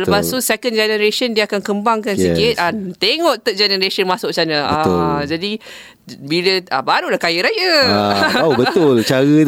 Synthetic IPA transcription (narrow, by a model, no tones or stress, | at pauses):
ləpast̪usekənd͡ʒɛnəɾeʃəndiakankəmbaŋkansəkit̪̚ʔant̪eŋɔʔt̪əʔ̚d͡ʒɛnəɾeʃənmasʊʔ̚sanaad͡ʒadi | biləabaɾulahkajəɾajəabət̪ʊlt͡ʃaɣə